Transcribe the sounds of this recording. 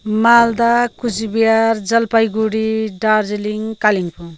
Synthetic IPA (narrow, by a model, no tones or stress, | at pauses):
mald̪akusibijaɾd͡zʌlpajɡuɽiɖaɾd͡zeliŋkaliŋpu